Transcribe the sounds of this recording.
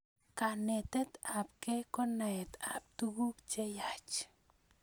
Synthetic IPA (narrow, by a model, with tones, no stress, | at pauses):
ka˨ne˨t̪e˦t̪a˨p̚ke˦ko˦na˨ɛ˨t̪a̰˨p̚t̪u˦ɡu˦kt͡ʃe˦ja˨t͡ʃ